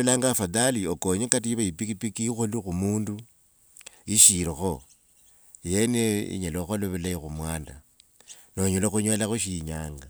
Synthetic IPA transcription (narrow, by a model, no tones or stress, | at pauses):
elaŋɡafaðaliokoɲekat̬iiβaipikipikiixolixumuːndu | iʃiɾoxo | jeneḭɲeloxoloβelaixumwaːnda̰ | noɲoloxuɲwalaxuʃiɲaːŋɡa